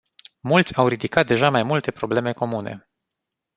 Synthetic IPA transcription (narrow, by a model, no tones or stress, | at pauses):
mult̪sʲawrid̪ikat̪̚d̪e̞ʒamajmult̪e̞pɾo̞ble̞me̞ko̞mune̞̰